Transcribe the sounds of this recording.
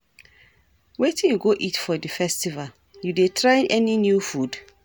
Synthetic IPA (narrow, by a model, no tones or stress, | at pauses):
wetĩnjuɡoʔitfɔdifɛstival | judetʰɹaɪʔɛninjufud